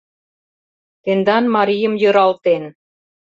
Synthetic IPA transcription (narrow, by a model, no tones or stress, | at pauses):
t̪end̪ɑnmɑɾijə̆mjɤ̆ɾɑlt̪en